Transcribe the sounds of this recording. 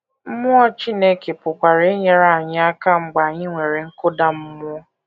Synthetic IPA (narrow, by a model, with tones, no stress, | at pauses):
m̩˦mʊ˦ɔ˦t͡ʃi˦ne˦ke˨pʊ˨kʷa˨ɾe˦ɲe˦ɾa˦˨ɲɪ˦a˦ka˦ŋ͡m̩˦ɡ͡ba˨ɲɪ˦ŋʷe˨ɾe˨ŋ̩˦kʊ˦da˦m̩˦mʊ˦ɔ˦